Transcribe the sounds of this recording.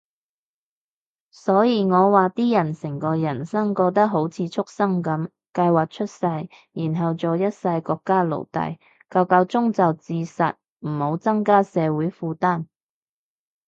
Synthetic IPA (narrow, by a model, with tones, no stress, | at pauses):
sɔː˨˥jiː˨˧ŋɔː˨˧waː˨t̪iː˥jɐ˨˩nsɪ˨˩ŋkɔː˧jɐ˨˩nsɐ˥ŋkɔː˧k̚t̪ɐ˥k̚ɦo˨˥wt͡sʰiː˨˧t͡ʃʰʊ˥k̚sɐ˥ŋkɐ˨˥m | kɐ˧jwaː˨k̚t͡ʃʰɵ˥t̚sɐ˧j | jiː˨˩nɦɐ˨wt͡soː˨jɐ˥t̚sɐ˧jkɔː˧kːaː˥lo̰˨˩wt̪ɐ̰˨j | kɐ˧wkɐ˨˧wt͡sʊ˥ŋt͡sɐ˨wt͡siː˧sɐ̰˨t̚ | m̩˨˩ho˨˧˥wt͡sɐ˥ŋkaː˥sɛː˨˧wuː˨˥jfuː˧t̪aː˥˩n